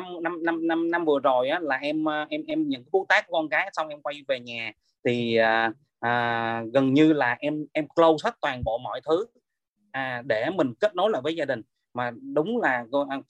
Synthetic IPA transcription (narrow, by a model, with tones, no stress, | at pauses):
mna˧mna˧mna˧mna˧mvɨ˨˩əzo˨˩jʔaː˨˦laː˨˩ʔɛ˧mː˧ʔɛ˧mʔɛ˧mɲɨ̰˧˥ŋkːaː˨˦ɓu˦˥t̚t̪aː˦˥k̚kɔ˧nkaː˨˦jsa˧wŋ͡mʔɛ˧mkwa˧jve˨˩ɲaː˨˩ | t̪ʰiː˨˩˨ | ʔəː˨˩ɣə˨˩nɲɨ˧laː˨˩ʔɛ˧mʔɛ˧mklə˧wsə˦˥t̚t̪waː˨˩nɓo̰˧˨mɔ̰˧˩˨jt̪ʰɨ˨˦ | ʔaː˨˩ɗe˧˩mï˨˩ŋ̟ke˦˥t̚no˨˦la̰ː˧˨jvəː˨˦jzaː˧ɗï˨˩ŋ̟ | maː˨˩ɗʊ˨˦ŋ͡mlaː˨˩ko˧ʔ